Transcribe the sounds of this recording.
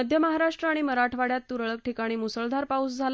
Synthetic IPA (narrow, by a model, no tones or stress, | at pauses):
əd̪ʱjəməɦaɾaʂʈɾəaɽ̃iməɾaʈʰʋaɽjat̪ːuɾɭək̚ʈʰikaɽ̃iːmusəɭd̪ʱaɾpausd͡zʱal